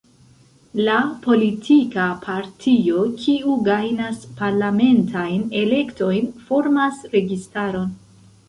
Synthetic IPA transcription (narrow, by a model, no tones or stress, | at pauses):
lapo̞litʰikapʰaɾtʰio̞kʰiuɡajnaspaɾlame̞ntʰajne̞le̞kto̞jnfo̞ɾmasɾe̞ɡistaɾo̞n